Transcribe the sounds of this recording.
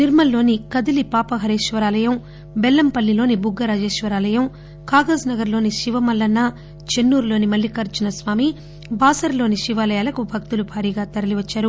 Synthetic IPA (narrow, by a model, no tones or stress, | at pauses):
niɾmɐlːo̞ːnikɐd̪ilipaːpɐɦɐɾeːʃʋɐɾaːlɐjɐm | bɛlːɐmpɐlːilo̞ːnibuɡːɐɾaːd͡ʒeːʃʋɐɾaːlɐjɐm | kaːɡɐsnɐɡɐɾlo̞ːniʃiʋɐmɐlːɐnːɐ | t͡ʃe̞nːuːɾlo̞ːnimɐlːikɐɾt͡ʃɐnɐsʋaːmi | baːsɐɾlo̞ːniʃiʋaːlɐjaːlɐkubʱɐk̚t̪ulubʱaːɾiːɡaːt̪ɐɾɐliʋɐt͡ʃːaːɾu